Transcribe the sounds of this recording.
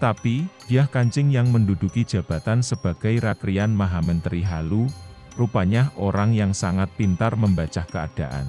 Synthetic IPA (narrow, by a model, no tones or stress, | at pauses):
t̪apib̥ijahkaɲt͡ʃɪŋjaŋməndud̥ukid̥ʒ̥ä̤b̥a̤t̪ansəb̥a̤ɡ̥a̤jɾat̪ɾianmaɦamənt̪əɾiɦalu | rupaɲaʔoɾaŋjaŋsaŋat̪̚pint̪arməmbat͡ʃahkəa̰d̥a̤ʔa̰n